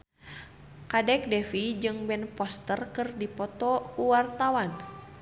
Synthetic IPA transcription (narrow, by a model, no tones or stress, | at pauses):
kadɛk̚dɛfid͡ʒɨŋbɛnpɔst̪ərkɨrdipɔt̪ɔkuwart̪awan